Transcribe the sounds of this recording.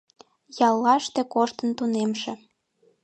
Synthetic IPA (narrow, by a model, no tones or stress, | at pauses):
jɑlːɑʃt̪ekoʃt̪ənt̪unemʃĕ